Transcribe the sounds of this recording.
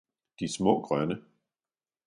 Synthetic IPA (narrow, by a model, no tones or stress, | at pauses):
d̥ismɔ̰ːɡ̥ʁɶnə